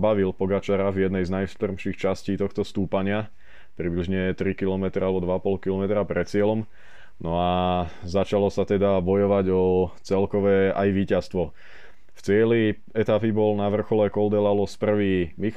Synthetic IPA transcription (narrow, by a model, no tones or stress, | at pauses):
baʋilpɔɡat͡ʃaɾavjɛd̪nɛjznajst̪r̩mʃiːxt͡ʃasciːt̪ɔxt̪ɔst̪uːpaɲɪa | pɾibliʒɲɛt̪ɾikilɔmɛt̪ɾalɛbɔd̪ʋaapɔlkilɔmɛt̪ɾapɾɛt̪t͡sɪɛlɔm | nɔazat͡ʃalɔsat̪ɛd̪abɔjɔʋaɟɔt͡sɛlkɔʋɛa̰jʋiːcast̪ʋɔ | ft͡sɪɛli | ɛt̪apibɔlnaʋr̩xɔlɛkɔld̪ɛlalɔspr̩ʋiːmix